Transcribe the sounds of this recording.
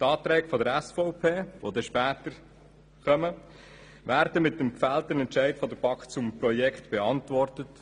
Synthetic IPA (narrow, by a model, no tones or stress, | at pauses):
t̪ɑːt̪ɾɛːɡ̥fɔdəɾæsfɔʊpʰeːʋod̪ɛʃpæːtəɾ | χœmə | væːɾdəmɪt̚dəmkfæltənɛntt͡ʃɛɪtfɔd̪əɾb̥ɑkt͡sʊmpɾɔjɛkχtb̥ɛɑntvʋɔrtət